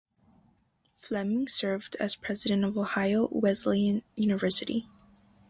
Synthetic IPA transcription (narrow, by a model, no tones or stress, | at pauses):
flɛmɪ̃ŋsɜ˞vdɨ̰z̥pʰɹ̥ɛzɨɾɨ̃ntʌvoʊhaɪoʊwɛzliɨ̃njʉnɨvɜ˞sɨɾḭ